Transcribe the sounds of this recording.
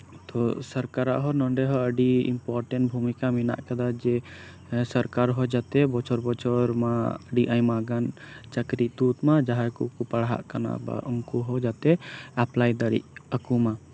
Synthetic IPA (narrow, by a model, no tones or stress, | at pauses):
t̪ɔsəɾkaɾa̰ʔɦɔnɔɳɖɛɦɔəɖiḭmpɔɾʈɛ̃ɳʈbʱumikamina̰ʔkad̪ad͡ʒɛ | səɾkaɾɦɔd͡ʒat̪ɛbɔt͡ʃɔɾbɔt͡ʃʰɔɾmaəɖiʔaɲmaɡant͡ʃəkɾiʔt̪ut̪mad͡ʒaɦakukupaɽɦa̰ʔkana̰ba̰ɔmkuɦɔd͡ʒat̪ɛaplajd̪aɽḭʔ̚əkuma